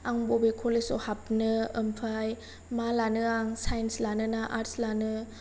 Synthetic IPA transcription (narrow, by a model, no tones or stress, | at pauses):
aŋbobekʰolesɔhap̚nɯəmpʰaj | malanɯaŋsajnslanɯnaʔaɾtslanɯ